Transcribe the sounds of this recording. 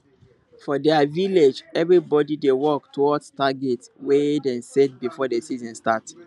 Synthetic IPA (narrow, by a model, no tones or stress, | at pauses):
fɔdɛaviled͡ʒɛvɹibɔdidewɔk̚tʰuwɔdstaɡɛtwedɛ̃nset̚bifɔdesizɔ̃nstat